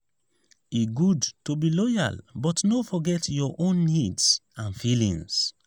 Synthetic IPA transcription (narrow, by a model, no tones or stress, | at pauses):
iɡudtobilɔja̰lbɔtnofɔɡɛtjɔʔõnːidsãnfilḭ̃ŋs